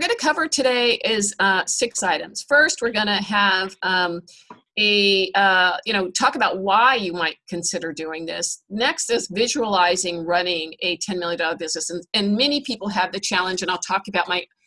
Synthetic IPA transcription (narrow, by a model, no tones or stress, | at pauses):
wɨɹɡʌɾɨkʰʌvə˞tʰɨɾeɪʔɪz̥ʌsɪksaɪɾɨ̃mz̥fɜ˞st̚wɨɹɡʌñɨəvʌ̃m | ɨʌjɨñoʊtʰɔkəbaʊt̚waɪjɨmaɪt̚kʰɨ̃nsɪɾə˞dʉɪ̃ŋðɪsnɛkstɨsvɪʒəəlaɪzɪ̃ŋɹʌnɪ̃ŋɨtʰɛ̃nmɪlˠjɨ̃dɑlˠə˞bɪznɨsɨ̃nɨ̃nmɛnipʰipl̩ˠəvðɨt͡ʃʰælˠə̃nd͡ʒɨ̃ñaɪlˠtʰɔkəbaʊt̚maɪ